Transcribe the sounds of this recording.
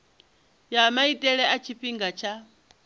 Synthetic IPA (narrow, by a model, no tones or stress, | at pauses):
jamaitʼɛɺɛʔat͡ʃʰiɸiŋɡat͡ʃʰa